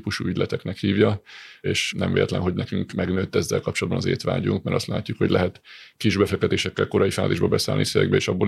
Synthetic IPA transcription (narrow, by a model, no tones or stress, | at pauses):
puʃuːyɟlʔɛt̪ɛknɛkhiːvjɒeːʃnɛmvḛːlɛt̪lɛ̰nɦo̞ɟnɛkyŋkmɛɡnøːt̪ːɛzːɛlkɒpt͡ʃolɒːd̪bɒnɒzḛːt̪ʋa̰ːɟuŋkmɛɾɒst̪laːcːukho̞̰ɟʲlɛɦɛt̪ | kiʒbɛfɛk̚t̪ɛt̪eːʃɛkːɛlko̞ɾɒifaːziːʒbɒbɛsa̰ːlnisevɛ̰ɡ̚bɛeːʃɒbːo